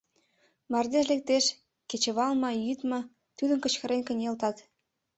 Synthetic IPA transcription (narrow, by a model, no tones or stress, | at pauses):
mɑrd̪eʃ̬lek̚t̪eʃ | ket͡ɕĕβɑlmɑjyt̪mɑ | t̪yd̪ə̆nkə̆t͡ɕkə̆ɾenʲkə̆nʲelt̪ɑt̪